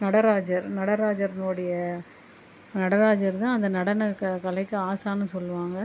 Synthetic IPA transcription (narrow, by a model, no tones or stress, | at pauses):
nɐɽɐɾaːd͡ʒɐɾnɐɽɐɾaːd͡ʒɐɾɪnoːɽɐjɐ | nɐɽɐɾaːd͡ʒɐɾt̪ãːɐnd̪ɐnɐɽɐnɐkkɐlɐɪkːɯaːsaːnɯsɔlːɯʋaːŋɡɐ